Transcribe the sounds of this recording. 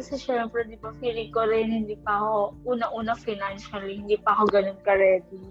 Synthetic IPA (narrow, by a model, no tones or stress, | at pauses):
kɐsɛʃɛmpɾɛd̪ɪbɐfiɾikoɾɪnhɪnd̪iːpɐhoʔuːnɐʔuːnɐfajnanʃɐlihɪnd̪iːpɐahoɡɐnonkɐɾɛːd̪i